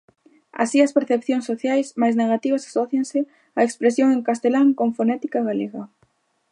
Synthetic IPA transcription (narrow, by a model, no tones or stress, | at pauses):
a̰siɐspeɾθepθjoŋsːoθjajsmajzneɣat̪iβɐsḁsɔθjansɪ | aekspɾesjoŋeŋkast̪elaŋkõɱfonɛt̪i̥kaɣaleɣa